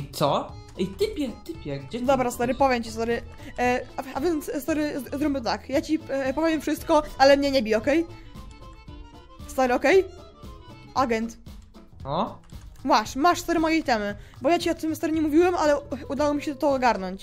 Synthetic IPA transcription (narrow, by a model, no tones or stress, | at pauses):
t̪sɔ | it̪ɘpʲjɛt̪ɘpʲjɛɡd͡ʑɛd̪ɔbɾast̪ɔɾɨpɔvʲjɛmt͡ɕisɔɾɘ | aavʲjɛnt̪sst̪ɔɾɘzɾɔbʲɛt̪akjat͡ɕipɔvʲjɛmfʂɘst̪kɔalɛmɲɛɲɛbʲiɔkɛj | st̪aɾɨɔkɛj | ʔaɡɛnt̪ | ɔwaʂmaʂst̪ɔɾɛmɔjɛjt̪ɛmɘbɔjat͡ɕiɔt̪ɪmst̪aɾɘɲɛmuvʲiwɛmʔalɛud̪awɔmʲiɕɛd̪ɔt̪ɔːɡaɾnɔɲt͡ɕ